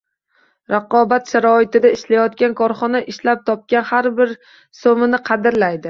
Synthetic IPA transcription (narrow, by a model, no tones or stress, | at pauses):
ɾɑqɒbat̪ʃaɾɒɪt̪ɪd̪aɪʃlajɒt̪kʲankʰɒɾχɒnaʔɪʃlap̚t̪ʰɒp̚kʲanhaɾbɪɾ | somɪnɪqʰɑd̪ɪɾlajd̪ɪ